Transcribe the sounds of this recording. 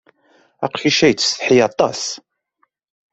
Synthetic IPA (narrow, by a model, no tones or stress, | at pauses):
ɑ̰qçiʃæjt͡sːsθħijɑt̪ˤɑ̰s